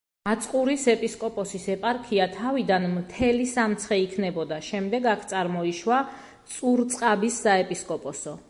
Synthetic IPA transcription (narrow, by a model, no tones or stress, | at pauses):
at̪sʼqʼuɾisɛpʼiskʼɔpʼɔsisɛpʼaɾkʰiat̪ʰavid̪anmt̪ʰɛlisamt̪sʰχɛikʰnɛbɔd̪aʃɛmd̪ɛɡakʰt̪sʼaɾmɔiʃwa | t̪sʼuɾt̪sʼqʼabisːaɛpʼiskʼɔpʼɔsɔ